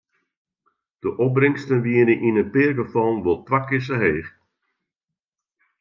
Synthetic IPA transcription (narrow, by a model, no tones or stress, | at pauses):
d̥əʔɔprɪŋstənʋiənəʔinənpɪrɡəfɔnʋolˠtʋakɪs̬əɦeːx